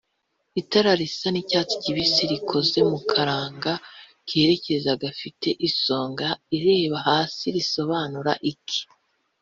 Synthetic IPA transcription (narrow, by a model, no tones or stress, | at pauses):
itaɾaɾisanicaːt͡si̥ciβiseɾikʰo̞ze̞mukʰaɾaːŋɡa | keɾe̞cezaɡafitʰe̞ʔiso̞ːŋɡaiɾe̞ːβaɦaːsiɾiso̞βaːnuɾa̰ʔikʰi̥